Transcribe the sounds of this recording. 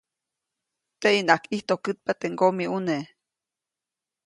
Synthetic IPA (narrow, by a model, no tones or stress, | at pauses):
t̪einakiht̪okɨt̪̚pat̪eŋɡomiune